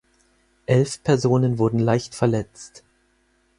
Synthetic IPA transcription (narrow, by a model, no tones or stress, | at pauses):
ʔɛlfpʰɛɐzoːnənvʊɐdn̩laɪçtfɛɐlɛt͡st